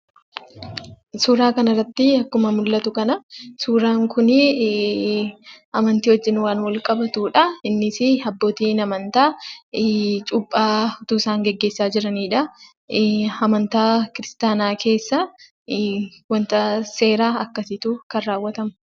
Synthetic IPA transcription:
suːɾaːkɐnɐrːɐt̪ːɪɐkːʊmɐmʊlːɐt̪ʊkɐnɐsuːɾaːŋkʊnɪ | ɐmɐnt̪iːhɔd͡ʒːɪnwaːnwɐlkʼɐbɐt̪uːᶑɐɪnːɪsɪɐbːo̞ːt̪iːnɐmɐnt̪aː | t͡ʃʼʊpʼːaːʊt̪uːsaːŋɡɛɡːe̞ːsːaːd͡ʒɪɾɐniːᶑɐ | ɐmɐnt̪aːkɪɾɪst̪aːnaːkʰe̞ːsːɐ | wɐnt̪ɐse̞ːɾaːɐkːɐsɪt̪uːkɐnːaːwːɐt̪ɐmʊ̥

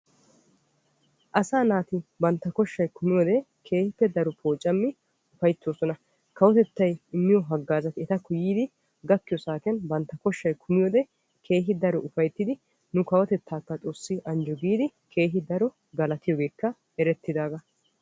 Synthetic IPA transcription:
ʔɐsaːnaːt̪ɪbɐnt̪ːɐkɔʃːɐjkʰʊmɪjɔd̪ɛ | kʰe̞ːhɪpːɛd̪ɐɾɔpʰo̞ːt͡ʃʼːɐmːɪ | ʊfɐjt̪ːoːsɔnɐ | kɐwɔt̪ɛt̪ːɐjɪmːɪjɔɦɐɡːaːzɐt̪ɪɛt̪ɐkːʊjiːd̪ɪ | ɡɐkːɪjɔsaːkɪjɐnbɐnt̪ːɐkɔʃːɐjkʰʊmɪjɔd̪ɛ | kʰe̞ːɦɪd̪ɐɾɔʔʊfɐjt̪ːɪd̪ɪ | nʊkɐwɐt̪ɛt̪ʰːaːkːɐt͡s̪ʼoːsːɪʔɐnd͡ʒɔɡiːd̪ɪkʰe̞ːɦɪd̪ɐɾɔ | ɡɐlɐt̪ɪjɔɡe̞ːkːɐ | ɛɾɛt̪ːɪd̪aːɡɐ

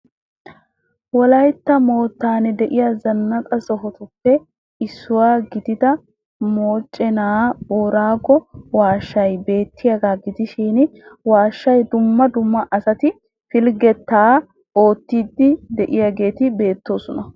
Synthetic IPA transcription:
wɔlɐjt̪ːɐmo̞ːt̪ːaːnɛd̪ɛʔɪjazɐnːɐkʼɐsɔɦɔt̪ʊpːɛ | ɪsːʊwaːɡɪd̪ɪd̪ɐ | mo̞ːt͡ʃʼːɛnaːboːɾaːɡɔwaːʃːɐjbe̞ːt̪ʰːɪjɐɡaːɡɪd̪ɪʃiːnwaːʃːɐjd̪ʊmːɐd̪ʊmːɐʔɐsɐt̪ɪ | fɪlɡɛt̪ːaː | ʔo̞ːt̪ːiːd̪ːɪd̪ɛʔɪjɐɡe̞ːt̪ɪbe̞ːt̪ːo̞ːsʊnɐ

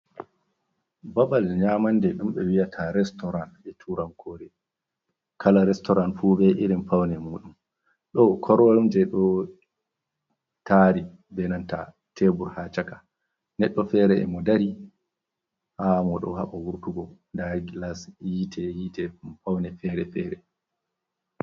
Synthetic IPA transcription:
babalɲaːmandɛɗumɓɛwiatʰaɾɛstɔɾanɛtʰuɾankʰɔːɾɛ | kʰalaɾɛstɔɾanfuːbɛʔiɾimfawnɛmuːɗum | ɗɔkʰɔɾamd͡ʒɛɗɔ | taɾi | bɛnanta̰ | tʰebuɾhat͡ʃakḁ | nɛɗːɔfɛɾɛɛ̰mɔdaɾi | hamɔɗɔ̰ha̰ɓawuɾtuɡɔ | daɡilasjitʰɛjitɛmfawnɛfɛːɾɛfɛːɾɛ

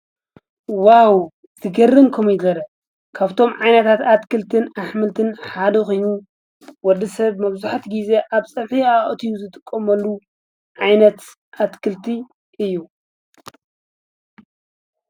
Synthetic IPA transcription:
waw | z̥ɨɡɐrɨŋkʰomjɪɡɐɾɐ | kʰaβt̪ʰo̞mʕajnɐt̪ʰat̪at̪kʰɨlt̪ʰɨnaħmɨlt̪ʰɨnħad̪ɐxo̞jnu | wɔd̪ɨsɐβmɐβzuħat̪ɡize̞ʔaβsʼɐβħiaʔʼt̪ʰijuzɨt̪ʰʼɨkʼːomɐlːu | ʕajnɐt̪ | ʔat̪kʰɨlt̪ʰi | ʔɨjːu

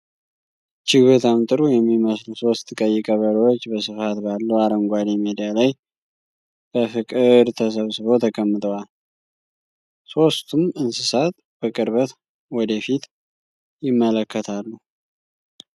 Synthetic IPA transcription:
t͡ʃɪɡət̪ʰamt̪ʼɨɾujɛmːiməsluso̞st̪kʼəjːɪkʼəβəɾəwot͡ʃːbəsɨfat̪balːəwaɾəŋɡʷad̪imed̪ijalaj | b̥əfɨkʼɨd̪t̪ʰəs̬əβsɨβo̞t̪ʰəkʼəmːɨt̪ʼəwal | so̞st̪ʰumɨnsɨsat̪ | b̥əkʼɨɾβət̪ | wɔd̪əfit̪ | jɪmːələkːət̪ʰalːu

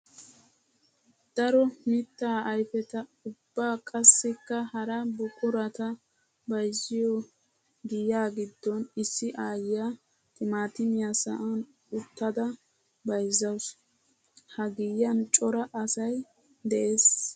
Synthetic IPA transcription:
d̪̥ɐɾɔmɪt̪ːaːɐjfɛt̪ɐʊbːaːkʼɐsːɪkːɐhɐɾɐbʊkʼʊɾɐt̪ɐ | bɐjzːɪjɔ | ɡɪjaːɡɪd̪ːɔnɪsːɪʔaːjɪja | t̪ʼɪmaːt̪ɪmɪjasɐʔɐn | ʊt̪ːɐd̪ɐ | bɐjzːɐws | hɐɡɪjːɐnt͡ʃʼɔɾɐʔɐsɐj | d̪ɛʔeːs

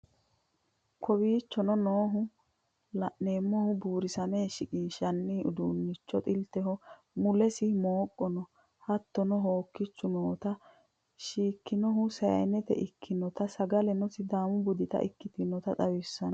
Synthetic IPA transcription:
kʰɔbiːt͡ʃːɔnɔnoːɦʊ | lɐʔne̞ːmːɔhʊbuːɾɪsɐmeːʃɪkʼɪnʃɐnːiʊd̪uːnːɪt͡ʃːɔt̪ʼɪlt̪ɛɦɔ | mʊlɛsɪmoːkʼːɔnɔ | hɐt̪ːɔnɔɦoːkːɪt͡ʃːʊnoːt̪ɐ | ʃiːkːɪnɔɦʊsɐjɐ̰nɛt̪ɛ̰ʔɪkʰːɪnɔt̪ɐsɐɡɐlɛnɔsɪd̪aːmʊbʊd̪ɪt̪ɐ̰ʔɪ̰kːɪt̪ɪnɔt̪ɐt̪ʼɐwɪsːɐnɐ

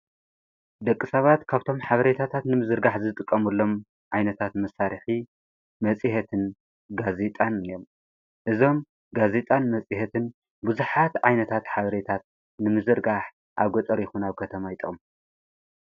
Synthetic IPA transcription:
d̪ɐkʼːɨsɐβat̪kʰaβt̪ʰo̞mħaβɐɾet̪ʰat̪ʰat̪nɨmɨzɨɾɡaħzɨt̪ʼɨkʼːɐmulːo̞m | ʕajnɐt̪ʰat̪mɐsaɾɨħi | mɐt͡sʼihɐt̪ʰɨn | ɡazet̪ʼanijom | ʔɨzo̞m | ɡazet̪ʼanmɐt͡sʼihɐt̪ʰɨn | buzuħat̪ʕajnɐt̪ʰat̪ħaβɐɾet̪ʰat̪̚ | nɨmɨzɨɾɡaħ | ʔa̰βɡot̪ʼɐɾjɪxunaβkʰɐt̪ʰɐmajt̪ʼɨ̰m

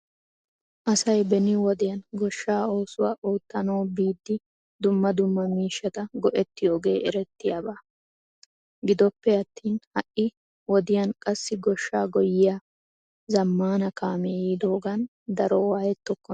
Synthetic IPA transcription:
ʔɐsɐjbɛnɪwɔd̪ɪjɐnɡɔʃːaːo̞ːsʊwaːʔoːt̪ːɐnoːbiːd̪ːɪ | d̪ʊmːɐd̪ʊmːɐmiːʃːɐt̪ɐɡɔʔɛt̪ːɪjoːɡe̞ːʔɛɾɛt̪ːɪjabaː | ɡɪd̪ɔpːɛɐt̪ːiːnhɐʔːɪ | wɔd̪ɪjɐnkʼɐsːɪɡɔʃːaːɡɔjːɪja | zɐmːaːnɐkʰaːmeːjid̪oːɡan | d̪ɐɾɔwaːjɛt̪ːɔkːɔ

